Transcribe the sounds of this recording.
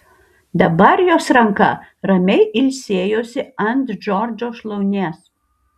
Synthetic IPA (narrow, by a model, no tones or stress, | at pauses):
d̪ɐbɐɾjoːsɾɐŋkɐ̰ɾɐmʲɛɪʔɪlʲsʲeːjoːsʲɪɐnt̪d͡ʒɔɾd͡ʒʲoːʃlˠɐʊnʲeːs